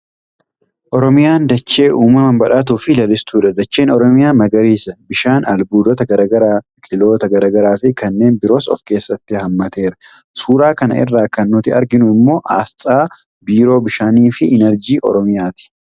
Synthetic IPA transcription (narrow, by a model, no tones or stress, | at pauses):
ʔɔɾɔmɪjaːnd̪ɐt͡ʃːe̞ːʔuːmɐmɐbɐᶑaːt̪̬uːfɪlɐlɪst̪uːᶑɐd̪ɐt͡ʃːe̞ːnɔɾɔmɪjaːmɐɡɐɾiːsɐbɪʃaːnɐlbuːd̪ɔt̪ɐɐɾɡɐɾa | kʼɪlo̞ːt̪ɐɡɐɾɐɡɐɾaːfɪkɐnːe̞ːnbɪɾo̞ːsɔ̰fke̞ːsːɐt̪ːɪhɐmːɐt̪eːɾɐ̥ | suːɾaːkɐnɐ̰ɪ̰rːaːkɐnːʊt̪ɪɐɾɡɪnʊɪmːo̞ːʔa̰ːst͡sʼaː | biːɾo̞ːbɪʃaːniːfɪʔɪnɛɾd͡ʒiːʔɔ̰ɾɔmɪjaːt̪ɪ̥